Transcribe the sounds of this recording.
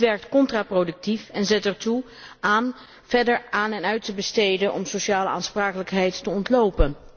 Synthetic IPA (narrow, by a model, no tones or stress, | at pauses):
ʋɛɹk̚tkɔntraprodɵk̚tifɛnzɛtɛɹtu | aːn | v̥ɛɹdəɹaːnɛnœɥtəbəstejdənʔɔmsoʃaːləa̰ːnspraːkələkɦɛjtːəɔntlowpən